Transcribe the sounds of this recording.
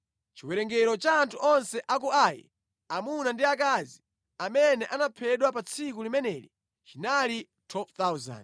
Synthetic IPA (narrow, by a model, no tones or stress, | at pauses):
t͡ʃiwɛɾɛŋɡɛɾɔt͡ʃaːntʰuʔɔnsɛʔak̬uajɛ̰ | amunandiak̬azi | amɛnɛʔanapʰɛɗwapat͡sʰikulimɛnɛːlḭ | t͡ʃinali | tʰwɛlpt̪awza̰nd